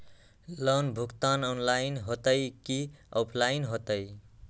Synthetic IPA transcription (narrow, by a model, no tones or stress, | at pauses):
lʌnbʱukt̪anɔnlajnɦot̪ʌjkiʌpʰlajnɦot̪ʌj